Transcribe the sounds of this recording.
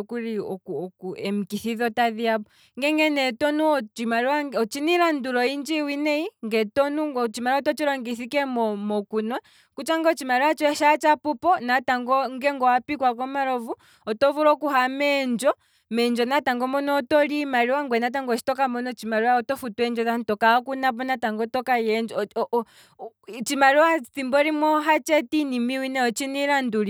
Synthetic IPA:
kuɾiɔkuɔkuɛm̩kiθiðɔtaðiabɔ | ŋɡɛŋɡɛnɛtɔnuɔt͡ʃimaɾiwaɔt͡ʃiniɾanduɾɔind͡ʒiwinɛiŋɡɛtɔnuɔt͡ʃimaɾiɔtɔt͡ʃiɾɔŋɡiθikɛmɔmɔkunwa | kut͡ʃaŋɡɔt͡ʃimaɾiwat͡ʃɔɛʃat͡ʃapupɔnataŋɡɔŋɡɛŋɡɔwapikwakɔmaɾɔvu | ɔtɔvuɾɔkuɦamɛnd͡ʒɔ | mɛnd͡ʒɔnataŋɡɔmɔnɔːtɔlimaɾiwaŋɡwɛnat̬aŋɡɔt͡ʃi̥tɔkamɔnɔt͡ʃimaɾiwaɔtɔfutwɛnd͡ʒɔtantɔkaɔkunapɔnataŋɡɔtɔkajɛnd͡ʒ | t͡ʃimaɾiwaθimbɔɾimɔɦat͡ʃɛtinimiwinɛɔt͡ʃiniɾanduɾi

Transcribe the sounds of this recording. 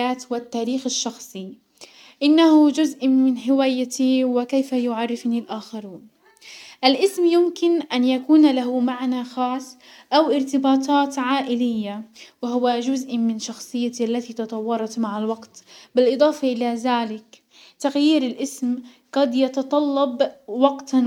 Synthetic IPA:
aːt̪wɪt̪ːaːɾiːxɪʃːɑxsˤi | ʔɪnːahʊd͡ʒʊzʔmɪnħɪwaːjːat̪iwɪkejfajʊʕarˤːɪfnilʔaːxɑɾuːn | ʔalʔɪsmjʊmkɪnʔanjakuːnlaɦʊmaʕnaxɑːsˤː | ʔawʔɪɾt̪ɪbɑːt̪ʰˤɑːt̪ʕaːʔɪlɪjːawɪɦʊwad͡ʒʊzʔmɪnʃɑxsˤɨjːaiʔalːat̪it̪ɑt̪ˤɑwːɑɾˤɑt̪maʕalwɑqt̪bɪlʔɨd̪ˤɑːfɑʔɪlaðaːlɪk | t̪aɣjiːɾɪlʔɪsm | qɑd̪jɑt̪ɑt̪ˤɑlːɑbwɑqt̪

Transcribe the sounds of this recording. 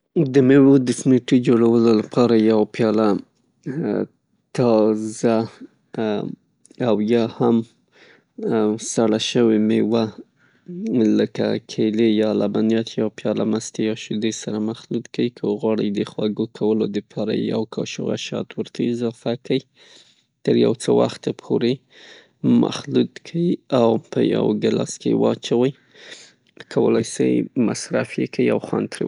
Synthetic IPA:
d̪əmewod̪əsmeʈid͡ʒoɽawəlolapʰɑɾajawapjɑla | t̪ɑza | awjɑham | saɽaʃəwemewa | ləka̰kʰelejɑlabanjɑt̪jɑpjɑlamast̪ejɑʃud̪esaɾamaxlud̪kawikʰəɣwɑɽəjd̪əxwaɡokʰawəlod̪əpʰɑɾa̰jawkʰɑʃʊɣa̰ʃɑ̰t̪wəɾt̪ʰaɪzɑfakʰawi | t̪əɾjawt͡səwa̰xt̪apʰoɾe | mʔa̰xlud̪kʰawiawpʰəja̰wɡəlɑskewɑt͡ʃawəj | kʰawəlajsə̰jmasɾafjekaiawxwant̪ɾḛ

